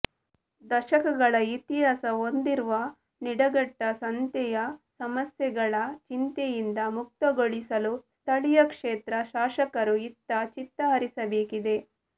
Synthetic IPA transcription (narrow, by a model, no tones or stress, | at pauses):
d̪ɐʃɐkɐɡɐɭɐit̪iɦaːsɐond̪iɾuʋɐ | niɽɐɡɐʈːɐsɐnt̪ɛjɐsɐmɐsjɛɡɐɭɐt͡ʃint̪ejind̪ɐmuk̚t̪ɐɡoɭisɐlust̪ʰɐɭijɐkʂeːt̪ɾɐʃaːʃɐkɐɾuit̪ːɐt͡ʃit̪ːɐɦɐɾisɐbeːkid̪e̞